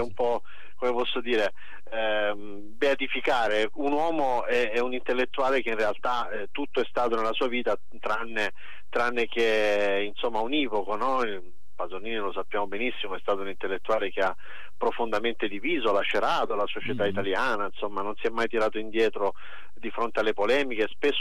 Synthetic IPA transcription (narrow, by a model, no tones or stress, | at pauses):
ɛumpɔ | komepɔsːod̪iːɾe | beat̪ifikaːɾeunwɔːmoɛɛunint̪elːet̪ːuaːlek̟einrealt̪a | ɛt̪ut̪ːoɛst̪aːt̪onelːasuːaviːt̪a | t̪ɾanːe | t̪ɾanːek̟einsomːauniːvokonɔ | pazoniːnilosapːjaːmobenisːimoɛst̪aːt̪ounint̪elːet̪ːuaːlek̟ea | pːɾofond̪ament̪ed̪iviːzolaʃeɾaːt̪olasot͡ʃet̪ait̪aljaːnainsomːanonsiɛmːajt̪iɾaːt̪oind̪jɛːt̪ɾo | d̪ifɾont̪ealːepolɛːmik̟espesː